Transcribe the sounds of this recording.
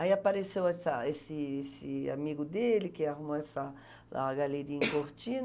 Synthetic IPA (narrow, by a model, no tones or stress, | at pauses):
aiapaɾesewɛsɐesɪesɪa̰miɡʊd̪elikeaɦumoɛsa | aɡaleɾiĩŋkoɾt͡ʃin